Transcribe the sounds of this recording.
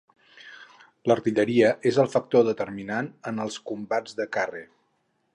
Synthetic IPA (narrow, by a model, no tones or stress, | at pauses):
ləɾt̪iʎəɾiəezəlˠfək̚t̪oðət̪əɾminanənəlˠskumbad͡zðəkare